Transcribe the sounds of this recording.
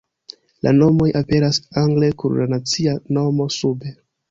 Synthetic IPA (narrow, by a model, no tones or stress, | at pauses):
lʔa̰no̞mo̞jʔape̞ɾasaŋɡlekuɾlanat͡siano̞mo̞sube